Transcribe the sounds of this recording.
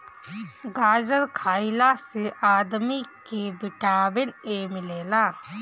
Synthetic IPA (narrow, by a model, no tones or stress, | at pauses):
ɡaːd͡ʒəɾkʰaːɪlaseʔaːd̪mikebɪʈaːbɪnemɪleːlaː